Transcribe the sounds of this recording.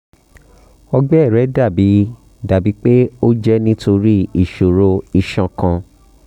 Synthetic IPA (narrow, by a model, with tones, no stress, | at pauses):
ɔ˧ɡ͡bɛ˦˨ɾɛ˨˦da˦˨bi˨˦ | da˨bi˨˦k͡pe˦o˦d͡ʒɛ˦nĩ˦to˧ɾi˦i˦˨ʃo˨ɾo˧i˨ʃã˨kã˧